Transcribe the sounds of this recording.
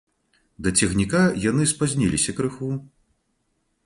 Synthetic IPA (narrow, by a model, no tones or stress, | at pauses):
d̪ɐt͡sʲɛɣnʲikajanɨspazʲnʲilʲisʲɐkɾɨxu